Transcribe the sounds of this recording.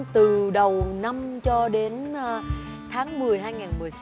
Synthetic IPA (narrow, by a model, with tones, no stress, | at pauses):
t̪ɨ˨˩ɗə˨˩wna˧mt͡ɕɔ˧ɗe˨˦n˧ | t̪ʰaː˨˦ŋmɨ˨˩əjɦaː˧jŋaː˨˩nmɨ˨˩əjs